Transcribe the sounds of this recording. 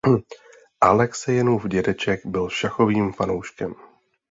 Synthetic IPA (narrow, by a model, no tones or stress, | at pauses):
ʔalɛksɛjɛnuvɟɛdɛt͡ʃɛkbɪlʃaxo̞viːmfanowʃkɛm